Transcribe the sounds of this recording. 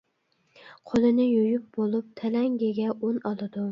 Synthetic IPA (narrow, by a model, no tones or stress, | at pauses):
qʰolˠɪnɪjʊjʊp̚bolˠɪp̚t̪ʰalaŋɡʲeɡʲaʔonɒlˠɪd̪ʊ